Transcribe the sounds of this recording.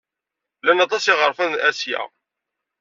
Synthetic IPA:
lænɑt̪ˤɑsiʁəɾˤfænʔæsjæ̰

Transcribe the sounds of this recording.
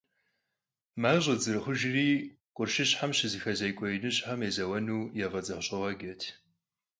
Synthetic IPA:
maːʑʼɐd͡zɨrχʷʊʒriː | qʷʼʊrʃɪɕħamɕɪzixɐzɐjkʷʼɔjnɨɕʼħamezɐwɐnuːjɛʁɐd͡zʼɐχɕʼɐwɐɡʲɐtʰ

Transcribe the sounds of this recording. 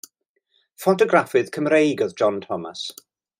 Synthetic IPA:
fɔtɔɡrafɨð̥kʰəmrejɡɔðd͡ʒɔntʰɔma̰s

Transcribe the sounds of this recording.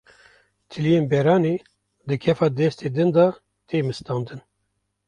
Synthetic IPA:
t̪ʰɨlijeːnbɛɾɑːne | d̪ɨkʰɛfɑːd̪ɛst̪eːd̪ɨnd̪ɑ | t̪ʰeːmɨst̪ɑːnd̪ɨn

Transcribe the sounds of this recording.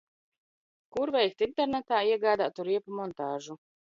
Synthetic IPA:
kuɾvɛjk̚t̪int̪ɛɾnɛt̪aːiɛɡaːd̪aːt̪uɾiɛpumɔnt̪aːʒu

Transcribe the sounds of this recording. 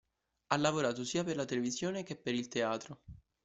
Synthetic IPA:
alːavoɾaːt̪osiːaperlat̪elevizjoːnek̟epːeɾilt̪eaːt̪ɾo

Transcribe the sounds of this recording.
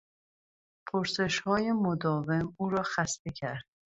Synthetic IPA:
pʰoɾse̞ʃhɒːjemod̪ɒːve̞muːɾɒːxæst̪e̞cʰæɾd̪̥̚

